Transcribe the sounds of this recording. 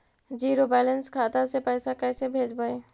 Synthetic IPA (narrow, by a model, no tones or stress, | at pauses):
d͡ʒiːɾobɛːlənskʰaːt̪asepɛːsakɛːsebʱeːd͡ʒbəe